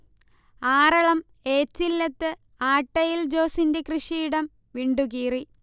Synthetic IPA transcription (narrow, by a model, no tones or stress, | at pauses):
aːrɐɭɐm | e̞ːt͡ɕːilːɐt̪ːɨ | aːʈːɐjild͡ʑo̞ːsindekrɨʂijɽɐm | ʋiɳɖuɣiːri